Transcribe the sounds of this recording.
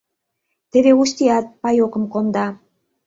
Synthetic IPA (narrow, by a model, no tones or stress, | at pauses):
t̪ĕβeuʃt̪iɑt̪̚pɑjokə̆mkomd̪ɑ